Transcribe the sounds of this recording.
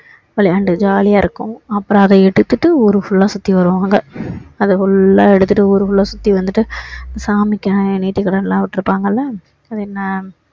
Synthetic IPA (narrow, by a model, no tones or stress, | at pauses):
ʋɐɭɪɐɳɖɯd͡ʒaːlɪjaːɪɾɯkːʊ̃ɐpːɯɾɐ̃ɐðɐɛɽɯt̪ːɯʈːɯɔːɾɯfʊɭːaːsʊt̪ːiʋɐɾɯʋãːŋɡɐɐðɯfʊɭːaːɛɽɯt̪ːɯʈːɯuːɾɯfʊɭːaːsʊt̪ːiʋɐnd̪ɯʈːɯsaːmɪkːɐniːʈːikːɐɽɐnlːãːʋɪʈːɪɾɯpːaːŋɡɐlːɐ | ɐðɯɛnːɐ